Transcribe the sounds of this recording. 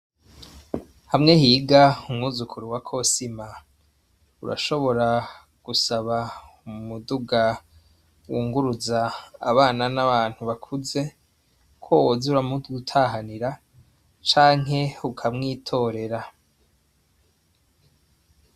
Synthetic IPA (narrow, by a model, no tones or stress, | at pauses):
hamŋe̞hiːɡaumŋuzukʰuɾuwakʰo̞sima | ṵɾa̰ʃo̞βo̞ɾa | ɡ̥usaβa | umuduɡa | wuːŋɡuɾuza̰ːβaːnanaβaːn̥huβakʰuze̞ | kʰoozuɾamuɡutʰaɦaniɾa | t͡ʃaːŋɦe̞ukʰamŋiːtʰo̞ːɾe̞ɾa